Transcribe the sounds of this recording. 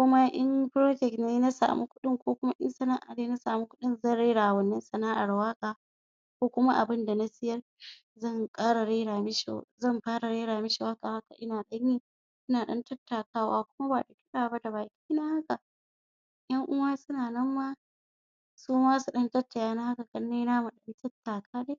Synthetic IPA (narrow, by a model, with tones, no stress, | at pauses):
kʷʊ˦ma˦ʔɪ˦nɸɾoː˦d͡ʒɛ˨kneː˦na˦sa̰ː˨mu˦kʷʊ˦ɗɪ˦ŋkʷoː˦kʷʊ˦ma˦ʔɪ˦nsɐ˨naː˦ʔa̰˨neː˦na˦saː˨mu˦kʷʊ̥˦ɗɪ˦nzɐ˦˨nɽe˦ɾaː˨wɐ˦nːɐ˦nsɐ˨naː˦ʔa˨ɽwaː˦kʼaː˨ | kʷoː˦kʷʊ˦ma˦ʔa̰˨bɪ˦nda˨na˦sɪ˦jɐ˦r | zɐ˦˨ŋkʼaː˦ɽa˨ɽe˦ɾaː˨mɪ˦ʃḛ˨zɐ˦˨mɸaː˦ɽa˨ɽeː˦ɽaː˨mɪ˦ʃe˨wa˦kʼa˨ha˦ka̰˨ʔɪ˦naː˨ɗɐ˦ɲjiː˦ | ʔɪ˦naː˨ɗɐ˦ntɐ˦tːaː˨kaː˦waː˦kʷʊ˦ma˦ba̰˨ɗa˨kʲɪ˦ɗaː˨ba˦da˨baː˨kʲi̥ː˦naː˦ha˦ka˨ʔ | jɐ˦ŋʔʊ˦waː˦sʊ˦naː˨nɐ˦mːaː˦ | suː˦maː˦su˨ɗɐ˦ntɐ˦tːa˨jaː˦na˦ha˦ka˨kɐ˨˦nːeː˦jnaː˦mu˨ɗɐ˦ntʰɐ˦tːaː˨kʰaː˦ɗe˦